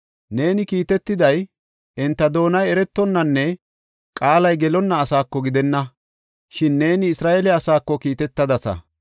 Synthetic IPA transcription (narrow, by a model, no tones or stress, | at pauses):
ne̞ːnɪkiːt̪ɛt̪ːɪd̪ɐj | ʔɪnt̪ːɐd̪o̞ːnɐjɛɾɛt̪ːɔnːɐnːɛ | kʼaːlɐjɡɛlɔnːɐːsaːkːɔɡɪd̪ɛnːɐ | ʃɪnːe̞ːnɪːsɾaːʔelɛɐsaːkːɔkiːt̪ɛt̪ːɐd̪ɐsɐ̰